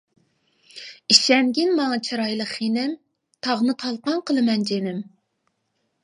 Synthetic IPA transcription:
iʃɛnɡʲinmɑŋɑt͡ʃʰɑɾɑjlˠəχinɪm | t̪ʰɑʁnɨqʰɑlˠqɑŋqʰəlˠɨmɛnd͡ʒenɪm

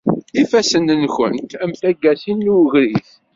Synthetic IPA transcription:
ifæsənənçə̰nt̪æmθæɡːæsinːuwʝɾiθ

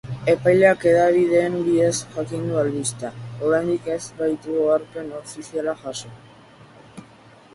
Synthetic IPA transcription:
e̞pajleake̞ðaβ̞iðe̞ːmbiðesʝakind̪uald̪ist̪ao̞ɾajnd̪ike̞zbajt̪uɣoaɾpe̞no̞fisialaʝason

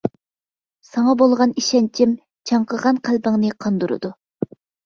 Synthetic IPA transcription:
sɑŋɑbolˠʁɑniʃɛnt͡ʃʰim | t͡ʃʰɑɴqəʁɑnqʰælbɪŋnɨqʰɑnd̪uɾɨ̰d̪u

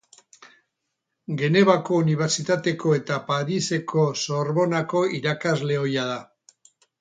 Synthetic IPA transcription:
ɡe̞ne̞βako̞uniβ̞eɾt͡sit̪at̪e̞ko̞e̞t̪apaðise̞kʰo̞so̞ɾβo̞nako̞iɾakazle̞o̞jað̞a

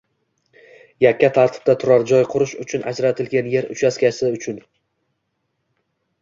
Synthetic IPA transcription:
jakʲʰːat̪ʰaɾt̪ʰɪ̥b̚d̪at̪ʰʊɾaɾd͡ʒɒjqʰʊɾʊʃʊt͡ʃʰʊna̰d͡ʒɾat̪ʰɪlɡʲanje̞ɾʊ̰t͡ʃʰaskʲasɪʊt͡ʃʰʊn

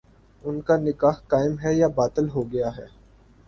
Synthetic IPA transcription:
ʊnkanɪkaːɦkaːɪmɦɛjabaːt̪əlɦoɡɐjaɦɛ̰ː

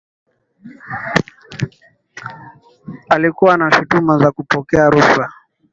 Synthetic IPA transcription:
alikuwanaʃutumazakupɔkɛaɾuffa

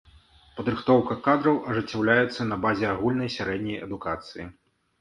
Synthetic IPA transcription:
pɐd̪ɾɨxt̪ɔwkɐkad̪ɾɐwʔɐʐɨt͡sʲːawlʲajɛt̪sːɐnɐbazʲɛaɣulʲnɐjsʲaɾɛd̪ʲnʲɐjɛ̰d̪ukat̪sɨjḭ

